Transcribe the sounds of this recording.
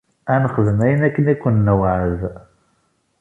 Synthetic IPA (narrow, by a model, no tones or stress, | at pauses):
ænəχəðəmæjənækːənækʷːənːəwʕəð